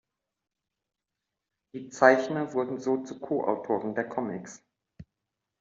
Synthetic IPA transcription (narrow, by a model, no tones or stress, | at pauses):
d̥iːt͡saɪçnɐvʊɐdn̩zoːt͡sukʰoːʔa̰ʊtʰoːʁəndeːɐkʰɔmɪks